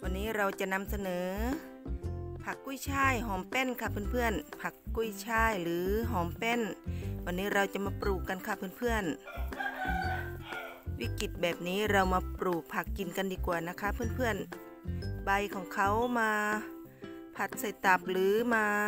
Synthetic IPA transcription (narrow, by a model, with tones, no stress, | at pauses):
bʰɔ˧˨nːiː˧˥˨ɾa˧wt͡ɕa˨na˧˥msa˧nɤː˨˦ | pʰa˧˩kːu˧˥˨jt͡ɕʰaː˧˥˩jɦɔː˨˦mpɛː˧˥˨nkʰaː˧˩pʰɯ˧˥˨npʰɯ˧˨ənpʰa˧kːu˧˥˨jt͡ɕʰaː˧˥˩jlɯː˨˦ɦɔː˨˦mpɛː˧˥˨nwʰa˧nːiː˧˥ɾa˧wt͡ɕa˨˧maː˧pɾuː˨˩kːa˧˨nkʰaː˧˩pʰɯ˧˥˨npʰɯ˧˥˨ən | wḭː˧˥˨ki˨˩t̪̚bɛː˨˩p̚niː˧˥˨ɾa˧wmaː˧pɾuː˨˩k̚pʰa˧˩kːi˨nka˧˨ndiː˧ku˨˩ɐna˧˩kʰa˧˥˨pʰɯ˧˥ə˨npʰɯ˧˥˩ən | ba˧jkʰɔː˨˦ŋkʰa˧˦wmaː˧ | pʰa˧˩t̪̚sa˧˩jt̪a˧˩p̚lɯː˨˦maː˧